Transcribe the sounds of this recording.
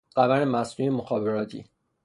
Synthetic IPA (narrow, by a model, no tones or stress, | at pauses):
ɢ̥ævæɾemæsnujemoxɒːbeɾɒːt̪ʰḭː